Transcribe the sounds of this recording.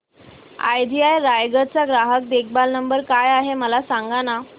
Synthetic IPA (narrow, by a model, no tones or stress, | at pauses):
a̰jd̪ʱiajɾajɡət͡saɡɾaɦək̚d̪ek̚ʰbalnəmbəɾkajaɦeməlasaŋɡana